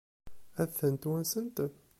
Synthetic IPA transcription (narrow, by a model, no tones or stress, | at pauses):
æθːənt̪wænsənt̪